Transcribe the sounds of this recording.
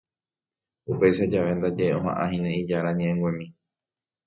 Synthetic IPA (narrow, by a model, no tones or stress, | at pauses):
upe̞jʃad͡ʒaʋe̞nd̪ad͡ʒeeõɦã̰ʔãɦĩnẽid͡ʒaɾaɲẽʔẽŋɡwẽmĩ